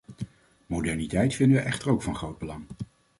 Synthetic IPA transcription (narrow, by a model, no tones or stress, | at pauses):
modɛɹnitɛjtfɪndəʋəʔɛχtərowkfɑnχrowd̚bəlɑŋ